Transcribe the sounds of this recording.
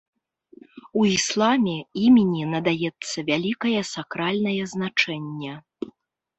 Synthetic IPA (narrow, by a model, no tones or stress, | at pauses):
uislˠamʲɛimʲinʲinɐd̪ajɛt̪sːɐvʲalʲikɐjɛsakɾalʲnɐjɐznat͡ʂɛnʲːɛ